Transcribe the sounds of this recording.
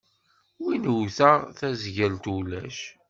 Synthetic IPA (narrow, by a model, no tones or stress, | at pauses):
winwθæθæzʝælt̪ulæ̰ʃ